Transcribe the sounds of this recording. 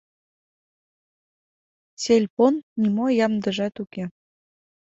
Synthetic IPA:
t͡selʲponːimojɑmd̪əʒɑt̪uke

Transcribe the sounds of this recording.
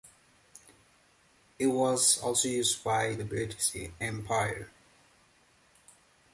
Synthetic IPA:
ɪt̚wɔzɔ̰lˠsojuːzbaɪðəbɹɪtɪsɛ̃mpʰaɪə̰˞

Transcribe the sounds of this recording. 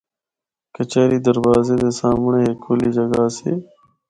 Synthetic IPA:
kət͡ʃaːɾiːd̪əɾbaːzeːd̪eːsaːmɳeːɦekʰːoːliːd͡ʒəɡaːseː

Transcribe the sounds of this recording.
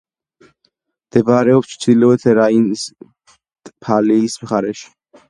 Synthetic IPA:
md̪̥ɛbɾɛɔpst͡ʃʰsilɛɛt̪ʰɛɾains | pʰaliːsmχaɾɛʃi̥

